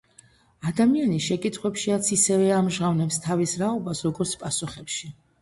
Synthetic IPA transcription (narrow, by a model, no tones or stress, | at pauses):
ad̪amianiʃɛkʼit̪ʰχwɛpʃiat̪sʰisɛvɛamʒʁavnɛpst̪ʰavisɾaɔbasɾɔɡɔɾt̪sʰpʼasuχɛpʃi